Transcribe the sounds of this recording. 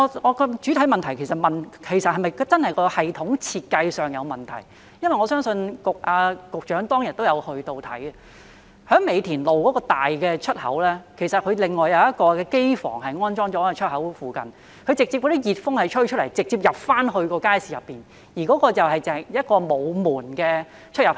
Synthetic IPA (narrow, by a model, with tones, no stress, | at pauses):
ɔ˨˧ŋɔ˨˧kɔ˧t͡ʃy˨˥t̪ʰɐ˨˥jmɐ˨nt̪ʰɐ˨˩jkʰe˨˩jsɐ˨t̚mɐ˨nkʰe˨˩jsɐ˨t̚hɐ˨jmɐ˨jt͡sɐ˥nhɐ˨jkɔː˧hɐ˨jt̪ʰʊ˨˥ŋt͡sʰiː˧t̚kɐ˧jsœː˨ŋjɐ˨˧wmɐ˨nt̪ʰɐ̰˨˩j | jɐ˥nwɐ˨jŋɔː˨˧sœː˥ŋsɵ˧nkʊ˨k̚ʔaː˧kʊ˨k̚t͡ʃœː˨˥ŋt̪ɔː˥ŋjɐ˨˩n̚t̪o˥wjɐ˨˧whɵ˧ɥt̪o˧wt̪ʰɐ̰˨˥j | hœː˨˥ŋme˨˧jt̪ʰiː˨˩nlo˨˩wkɔː˨˥kɔː˧t̪aː˨jkɛː˧t͡ʃʰɵ˥t̚hɐ̰˨˥wlɛː˥kʰe˨˩jsɐ˨t̚kʰɵ˨˧ɥlɪ˨ŋːɔː˨˩jɐ˨˧wjɐ˥t̚kɔː˧kɛː˧ke˥jfɔ̰ː˨˩ŋɦɐ˨jŋɔː˥nt͡sɔː˥ŋt͡ʃɔː˨˥a˧t͡ʃʰɵ˥t̚hɐ˨˥wfuː˨˩kɐ̰˨˧n | kʰɵ˧ɥt͡sɪ˨k̚t͡siː˧pkɔ˧˥iː˦˥jiː˨t̚fʊ˥ŋhɐ˨jt͡ʃʰɵ˥ɥt͡ʃʰt̚lɐ˨˩jt͡sɪ˨k̚t͡siː˧p̚jɐ˨p̚faː˥nhɵ˧ɥkɔː˧kaː˥jsiː˨˩jɐ˨˩pːiː˨n | jiː˨˩kɔː˨˥kɔː˧t͡sɐ˨whɐ˨jɛ˨jɐ˥t̚kɔː˧mo˨˧wmuː˨˩nkɛː˧ | t͡ʃʰɵ˥t̚jɐ˨˩p